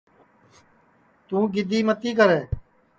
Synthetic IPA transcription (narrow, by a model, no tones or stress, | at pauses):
t̪ũːɡɪd̪ʱiːmət̪iːkəɾeː